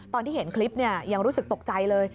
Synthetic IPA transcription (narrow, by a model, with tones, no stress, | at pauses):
t̪ɔː˧nt̪iː˥˩he˩˦nkʰli˦˥p̚ni˥˩ɐja˧ŋɾuː˦˥sɯ˨˩k̚t̪o˨˩k̚t͡ɕa˧jlɤː˧j